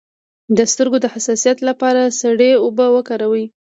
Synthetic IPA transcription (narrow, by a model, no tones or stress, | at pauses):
d̪əst̪əɾɡod̪əhasɑsijat̪lapɑɾasaɽeobəwəkɑɾawi